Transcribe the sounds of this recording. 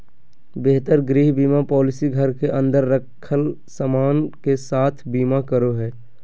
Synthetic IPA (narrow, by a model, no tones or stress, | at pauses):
beɦt̪əɾɡɾiːɦbiːmapɔːlɪsiɡʱəɾkeʔə̃nd̪əɾːəkʰːəl | səmaːnkesaːt̪ʰbiːmakəɾoɦɛː